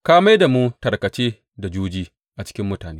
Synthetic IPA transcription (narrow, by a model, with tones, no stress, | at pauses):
kaː˦ma˦da˨mu˦tɐ˨ɾkɐ˨t͡ʃeː˦ | da˨d͡ʒuː˦d͡ʒiː˦ | ʔa˨t͡ʃɪ̥˦kʲɪ˦mːʊ˦taː˨neː˦